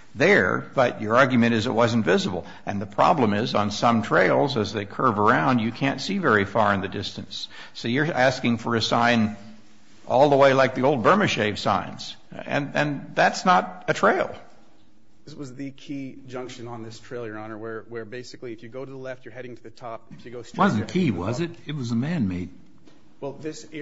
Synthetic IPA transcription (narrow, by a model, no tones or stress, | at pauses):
ðə˞b̥ʌt͡ʃə˞ɑɹɡjɨmɨ̃ɾ̃ɨzɨʔ̚wʌzn̩tvɪzəbl̩ˠ | ɨ̰̃nðɨpʰɹ̥ɑ̰blə̃mɪzn̩sʌ̃mtʰɹ̥eɪlˠzɨzðeɪkʰɜ˞və˞ãʊ̃nd͡ʒjɨkʰæ̃ntsivɛɹifɑɹɨ̃nðɨdɪstɨ̃nsː | oʊjə˞æskɪ̃ŋfə˞ɨsãɪ̃n | ʔɔ̰lˠðəweɪlaɪk̚ðioʊlˠd̚bɜ̃˞mɨʃeɪv̥sã̰ɪ̃nz̥ | ɨ̰̃nɨ̰̃nðætsnəɾɨtʰɹ̥eɪlˠ | ðɪswʌzðɨkʰid͡ʒʌ̃ŋkʃɨ̃nə̃nðɪstʰɹ̥eɪlˠjə˞ɑnə˞wə˞wə˞beɪsɨkliɨfjɨɡoʊɾɨðəlɛftə˞hɛɾɪ̃ŋtʰɨðɨtʰɔp̚ɪfjɨɡoʊswʌzn̩kʰiwʌzzɨt̚ɨt̚wʌzəmæ̃nmeɪt̚ | wɛlˠðɪs